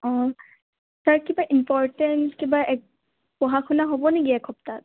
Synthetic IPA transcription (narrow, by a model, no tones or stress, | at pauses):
ɔ̃ | saɹkibaʔimpɔɹtɛntkibaʔɛk̚ | pɔɦakʰunaɦobɔneɡiaɛkʰɔptat̚